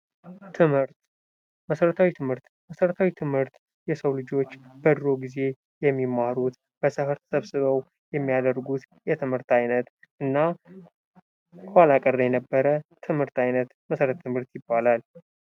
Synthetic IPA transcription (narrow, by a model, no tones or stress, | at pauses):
t̪ʰɨmhɨɾt̪ | məsəɾət̪ʰawit̪ʰɨmhɨɾt̪ | məsəɾət̪ʰawit̪ʰɨmhɨɾt̪ | jɛsəwlɨd͡ʒo̞t͡ʃːb̥əd̪ɾo̞ɡize̞ | jɛmːimːaɾut̪ | b̥əsɨhɨɾt̪ʰə̥səβsɨβəw | jɛmːijad̪əɾɡut̪ | jɛt̪ʰɨmhɨɾt̪ajnət̪ | ʔɨnːa | kwalakʼərːəjɛnəbːəɾət̪ʰɨmhɨɾt̪ajnət̪məsəɾət̪ʰt̪ʰːɨmhɨɾt̪jɪbːalal